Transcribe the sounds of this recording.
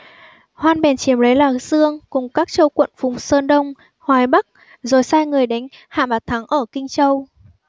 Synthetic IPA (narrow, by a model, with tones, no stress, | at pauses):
hwaː˧nɓɛ˨˩nt͡ɕi˨˦əmlə˨˦jlaː˨˩zɨ˧əŋkʊ˨˩ŋ͡mkaː˦˥k̚t͡ɕə˧wkwə̰˧˨nfʊ˨˩ŋ͡msəː˧nɗə˧wŋ͡m | hwaː˨˩jɓa˦˥k̚ | zo˨˩jsaː˧jŋɨ˨˩əjɗa˨˦jŋ̟ha̰ː˧˨ma˨˩t̚t̪ʰa˨˦ŋʔəː˧˩kï˧ŋ̟t͡ɕə˧w